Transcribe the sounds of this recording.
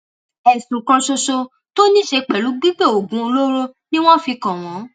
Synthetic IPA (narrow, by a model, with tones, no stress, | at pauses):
ɛ˨sũ˨kã˧ʃo˧ʃo˧ | to˦nĩ˦ʃe˧k͡pɛ˨lu˨˦ɡ͡bi˦ɡ͡be˦˨o˨ɡũ˨˦o˧lo˦ɾo˦nĩ˦w̃ɔ̃˦fi˧kã˨w̃ɔ̃˨˦